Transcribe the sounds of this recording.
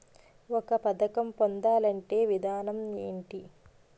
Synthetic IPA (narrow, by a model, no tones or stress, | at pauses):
ɔkɐpɐd̪ɐkɐmpond̪aːlɐɳʈe̞ːʋid̪ʱaːnɐmeːɳʈi